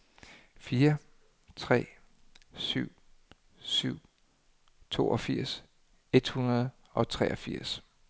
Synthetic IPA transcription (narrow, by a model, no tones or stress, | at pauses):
fiːɐ | t͡sʰʁɛ̰ː | syʊ̰ | syʊ̰ | t͡sʰo̝̰ːɒfiɐ̰s | e̝d̥hunɐð̞̩ˠ | ʔɒ̽t͡sʰʁɛːʔɒfiɐ̰s